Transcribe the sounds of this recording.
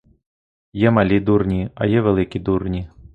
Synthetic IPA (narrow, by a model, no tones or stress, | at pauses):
jɛmalʲid̪urnʲiɐ̰jɛvʲɛlʲˠɨkʲid̪urnʲi